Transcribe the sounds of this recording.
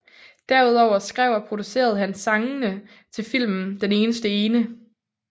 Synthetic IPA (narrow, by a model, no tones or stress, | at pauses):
d̥æɐuð̞ˠɒʊ̰ɐsɡ̥ʁɛ̰ʊ̰ɐpʰʁo̝d̥use̝̰ːɐð̞̩ˠɦænsɑ̈ŋnə | t͡sʰe̝lfil̰mn̩d̥ene̝ːnəsd̥əe̝ːnə